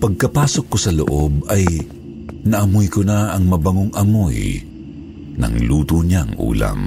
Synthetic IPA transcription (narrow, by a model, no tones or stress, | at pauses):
pɐɡ̚kɐpaːsokːosɐlo̰ʔobɐj | nɐʔɐmojkʊnaɐŋmɐbɐŋoŋɐmoj | nɐ̰ŋluːt̪uɲaŋʔṵːla̰ŋ